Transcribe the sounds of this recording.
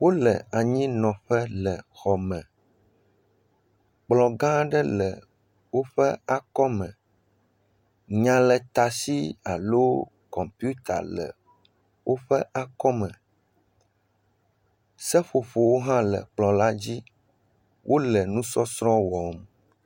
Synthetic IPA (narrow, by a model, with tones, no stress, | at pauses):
wo˦lɛ̰˨a˨ɲĩ˦nɔ̃˨ɸɛ˦lə˨xɔ˨mɛ̃˨ | k͡plɔ˨ɡã˦ɖə˦lə˨ | wo˦ɸɛ̰˦a˦kɔ˦mɛ̃˨ | ɲã˨lə˨t̪a˨si˦a̰˨lo˦ | kɔ˨mpu˦t̪a̰˨lə̰˨ | wo˦ɸɛ˦ʔa˦kɔ˦mɛ̃˨ | sə˦ɸo˨ɸo˨wo˦ɦã˦lə̰˨k͡plɔ̃˨la˦d͡ʑi˦ | wʔo˦lɛ˨nũ˦sɔ˦sɾɔ̃˦wɔ˨m